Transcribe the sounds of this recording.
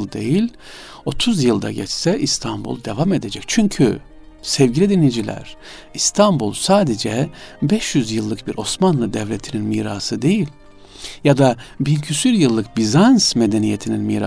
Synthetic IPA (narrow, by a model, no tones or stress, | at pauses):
d̪e̞jilʲ | o̞t̪ʰuzjɯlˠd̪a̰ɟɛ̰t͡ʃsɛʔist̪ʰanbṵlˠd̪e̞vame̞d̪e̞d͡ʒɛc̚t͡ʃʰyɲcʰy̰ | sɛvɟilʲid̪inid͡ʒilʲæ̰ɾ̥ | ist̪ʰambulˠsaːd̪ed͡ʒɛbɛʃjyzjɯlˠːɯk̚biɾʔo̞smanlˠɯd̪ɛvlʲe̞t̪ʰininmiːɾasɯd̪e̞jilʲ | jad̪abilʲcʰysyɾjɯlˠːɯk̚bizansmed̪enijet̪ʰininmḭːɾa